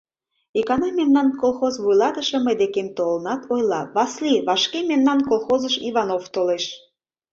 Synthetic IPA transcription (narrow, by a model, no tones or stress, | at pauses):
ekɑnɑmemnɑnkolˠxozβujlɑt̪əʃĕməjd̪ekemt̪olənɑt̪ʰojlɑβɑsliβɑʃkememnɑnkolxozəʃiβɑnoft̪oleʃ